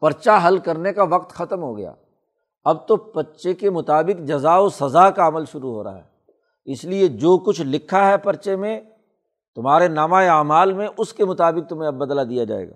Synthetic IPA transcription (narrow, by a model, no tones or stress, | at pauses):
pɐɾt͡ʃaɦɐlkɐɾnekaʋɐq̚t̪xɐt̪əmɦoɡɐja̰ː | ɐb̚t̪opɐtːʃekemʊt̪aːbɪqd͡ʒɐzaːosɐzaːkaɐməlʃʊɾuɦo̰ːɾa̰ɦɛː | ɪslied͡ʒoːkʊt͡ʃʰlɪkʰːaɦɛpɐɾt͡ʃemẽ | t̪ʊmɦaːɾenaːmaeaːmaːlmẽʔʊskemʊt̪aːbɪk̚t̪ʊmɦẽbɐd̪lad̪ijad͡ʒa̰ːḛːɡa̰ː